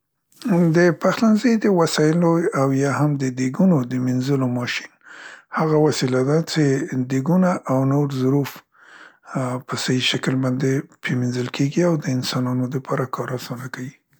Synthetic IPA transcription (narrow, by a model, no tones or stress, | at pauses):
d̪əpaxlanzejd̪əwasɑjɪloawjɑhamd̪əd̪eɡunod̪əminzəlomɑʃi̥nhaɣawasilad̪at͡ʃed̪eɡunaʔawnoɾzʊɾuf | pəsajiʃakəlbɑnd̪epʰeminzəlkʰeɡiawd̪əɪnsɑnɑnod̪əpʰɑɾakʰɑɾasɑnakawi